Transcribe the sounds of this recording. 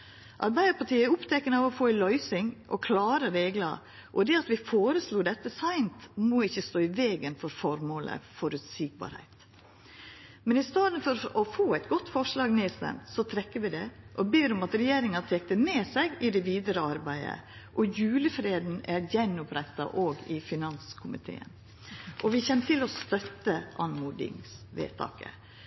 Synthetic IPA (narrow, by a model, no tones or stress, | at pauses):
ʔɑɾbæɪd̪əpɑʈiːəæɾʊpt̪ʰɛkənəɑʋɔfoːɛlœʏsɪŋʔɔkʰlɑːɾəɾeːɡlɑ̰ | ʔɔd̪ɛɑt̪ʋɪfoːɾəsluːd̪ɛt̪ːəsæɪnt̪moːɪçːəst̪oːɪʋeːɡənfɔɾfɔɾmoːlə̰fɔɾʉt̪siːk̚bɑ̰ːɾhæ̰ɪt̪ | mɛnɪst̪ɑːd̪n̩fɔɾɔfoːæɪt̪ɡɔt̪ːfɔʂlɑːɡneːst̪ɛ̰mt̪sɔt̪ʰɾɛkːəɾʋɪd̪ɛʔɔbeːɾɔmɑt̪ɾɛjeːɾɪŋɑt̪ʰeːk̚t̪əmeːsɛɡɪd̪ɛʋiːd̪əɾəɑɾbæɪə̰ʔɔjʉːləfɾeːd̪n̩æɾjɛnːʊpɾɛt̪ːɑ̰ʔoːɡɪfɪnɑnskʰʊmɪ̰t̪ʰḛːə̰n | ʔɔʋɪçɛnːt̪ʰɪlɔst̪œt̪ːəʔɑnmuːd̪ɪ̰ŋsʋḛːt̪ʰɑ̰ːkə̰